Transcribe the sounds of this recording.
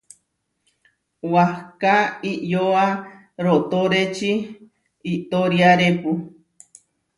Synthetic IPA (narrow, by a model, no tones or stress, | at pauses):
wahkaiʔjoa | ɾot̪oɾet͡ʃi | it̪oɾiaɾepu